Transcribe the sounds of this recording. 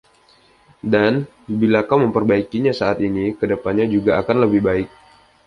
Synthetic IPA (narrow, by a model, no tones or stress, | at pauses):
dan | bilakawməmpərbaikiɲasaat̪inikədəpanɲad͡ʒuɡaakanləbɪhbaɪk̚